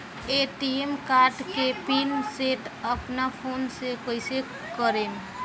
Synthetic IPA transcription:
eʈiemkaɾʈkepinseʈəpnapʰonsekoise | kəɾen

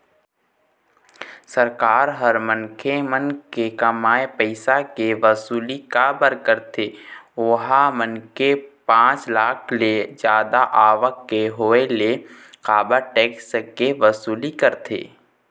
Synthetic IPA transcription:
səɾkaːɾɦəɾmənkʰemənkekəmaːepəɪsakeʋəsuːlikabəɾkəɾt̪ʰeːoɦamənkepãːt͡ʃlaːkʰled͡ʒjaːd̪aʔaːʋəkːeɦoːele | qaːbaʈeːkskeʋəsuːlikəɾt̪ʰḛː

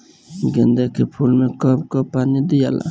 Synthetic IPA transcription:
ɡɛnd̪ekepʰulmekɔp̚kɔpanid̪ijala̰

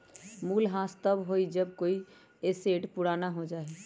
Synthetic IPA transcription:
muːlɦãst̪əbɦoid͡ʒəb̚koːi | eseʈpuɽanaɦod͡ʒaːe

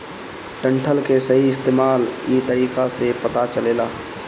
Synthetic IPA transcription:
ʈə̃ɳʈʰəlkesəɦiɪst̪eːmaːliːt̪əɾiːkasepət̪at͡ʃəleːlaː

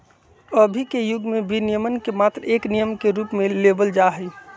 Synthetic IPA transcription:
əbʱikejʊɡmẽbinijəmənkemaːt̪ɾeːknijəmkeɾuːpmẽleːbəld͡ʒaɦəi

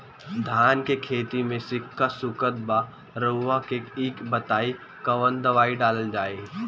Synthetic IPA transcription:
d̪ʱaːnkekʰeːt̪imẽsɪkʰːasʊkət̪ba | ɾoʋakeiːkbɐt̪aːi | kɐʋənd̪ɐʋaːiɖaːləld͡ʒaːe

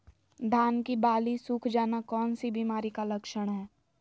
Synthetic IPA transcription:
d̪ʱaːnkibaːlisʊkʰd͡ʒaːnakɔːnsibiːmaːɾikalɐkʃəɽ̃ɦɛː

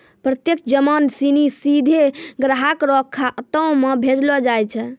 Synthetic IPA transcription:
pɾət̪jekʰd͡ʒəmansinisid̪ʱeɡɾaɦakɾɔkʰːaʔət̪əwmebʱed͡ʒlɔd͡ʒajt͡ʃʰɛ

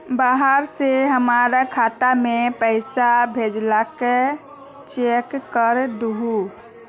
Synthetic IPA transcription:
baɦəɾseɦəmaɾakʰaːt̪amepəɪsabʱed͡ʒlake | t͡ʃekːəɾd̪uɦu

